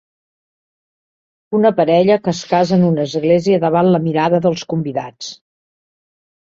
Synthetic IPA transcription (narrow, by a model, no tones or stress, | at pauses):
unəpəɾɛʎəkəskazənunəzɣleziəðəβanləmiɾaðəðəlˠskumbiða̰t͡s